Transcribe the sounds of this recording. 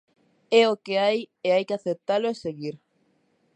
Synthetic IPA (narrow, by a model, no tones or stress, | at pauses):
eokeajeajkɪaθep̚t̪aloeseɣiɾ